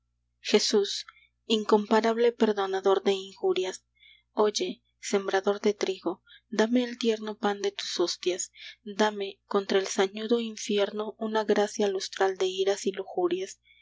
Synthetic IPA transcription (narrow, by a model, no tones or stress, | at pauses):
xe̞sus | iŋko̞mpaɾaβ̞le̞pe̞ɾðo̞naðo̞ɾðe̞iŋxuɾjas | o̞ʝe̞ | se̞mbɾaðo̞ɾd̪e̞t̪ɾiɣo̞ | d̪ame̞ːlt̪je̞ɾno̞pand̪e̞t̪u̥sost̪jasd̪ame̞ko̞nt̪ɾaelsaɲuðo̞iɱfje̞ɾno̞ʔunaɣɾasjalust̪ɾald̪e̞iɾasiluxuɾjas